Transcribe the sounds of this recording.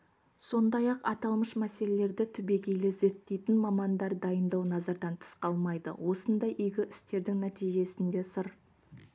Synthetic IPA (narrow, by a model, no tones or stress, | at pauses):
so̞nd̪ɑjɑqɑt̪ɑlˠməʃmæse̞le̞le̞ɾd̪ɪt̪ʰʏbe̞ɡʲe̞jlɪze̞ɾt̪ːe̞jt̪ɪnmɑmɑnd̪ɑɾd̪ɑjənd̪ɑwnɑzɑɾd̪ɑnt̪ʰə̥sqɑlˠmɑjd̪ə̰wʔo̞sənd̪ɑjʔʏjɡʲɪʔɪst̪e̞ɾd̪ɪŋnæt̪ijʒe̞sɪnd̪e̞səɾ